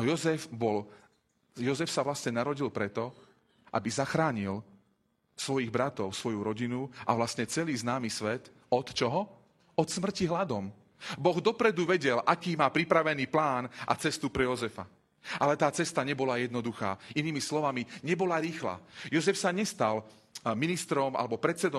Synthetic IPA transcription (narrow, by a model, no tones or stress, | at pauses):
nɔjɔzɛfbɔl | jɔzɛfsaʋlasɲɛnaɾɔɟilpɾɛt̪ɔ | ʔa̰bizaxɾaːɲil | sʋɔjiɣbɾat̪ɔʊsʋɔjuɾɔɟinuʔa̰ʋlast̪ɲɛt͡sɛliːznaːmisʋɛt̪ | ɔt̪t͡ʃɔɦɔ | ɔt̪smr̩ciɦlad̪ɔm | bɔɣd̪ɔpɾɛd̪uʋɛɟɛlʔakiːmaːpɾipɾaʋɛniːplaːna̰t͡sɛst̪upɾɛjɔzɛfa | ʔalɛt̪aːt͡sɛst̪aɲɛbɔlajɛd̪nɔd̪uxa̰ːiniːmislɔʋamiɲɛbɔlaɾiːxla̰ːjɔzɛfsaɲɛst̪al | minist̪ɾɔma̰lɛbɔpɾɛt̪sɛd̪ɔ